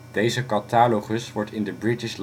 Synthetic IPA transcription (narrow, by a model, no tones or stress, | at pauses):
d̥ejzəkɑtaːloχəsʋɔɹtʰɪndəbɹɪtɪʃl